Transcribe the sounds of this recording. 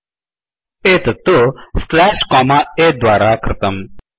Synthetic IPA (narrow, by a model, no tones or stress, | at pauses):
et̪t̪oslɛːʃkɔːmaed̪waːɾakʰɾɪt̪əm